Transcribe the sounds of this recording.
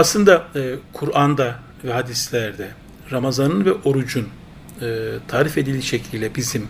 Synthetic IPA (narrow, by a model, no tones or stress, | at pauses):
aslˠɯnd̪aɯkʰuɾand̪a | vɛɦad̪islʲæɾd̪ɛ | ɾamazanɯnvɛʔo̞ɾud͡ʒun | ɯːt̪ʰaːɾife̞d̪ilʲiʃe̞cʰilʲd̪ʲɛbizim